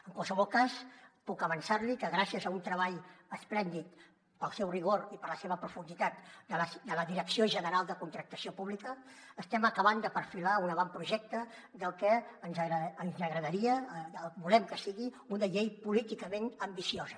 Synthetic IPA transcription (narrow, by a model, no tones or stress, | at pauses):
əŋkwalˠsəβɔlˠkaspukəβənsaɾlikəɣɾasiəzəunt̪ɾəβaʎəsplɛnd̪it̪ | pəlˠsɛwriɣ̞oɾipələseβəpɾufund̪it̪at̪d̪əlsd̪ələðiɾəksioʒənəɾalˠd̪əkunt̪ɾək̚t̪əsiopuβlikəːst̪ɛməkəβand̪əpəɾfilaunəβampɾuʒɛk̚t̪ə | d̪əlˠkɛənzɾəənzəɣɾəðəɾiəəlˠβulɛmkəsiɣi | unəʎejpulit̪ikəmenəmbisiozə